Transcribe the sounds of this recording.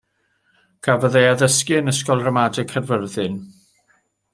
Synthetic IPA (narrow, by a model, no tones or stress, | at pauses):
ɡ̥ʰavəðejaðəskɨənəskɔlˠrəmadɪkʰərvərðɨn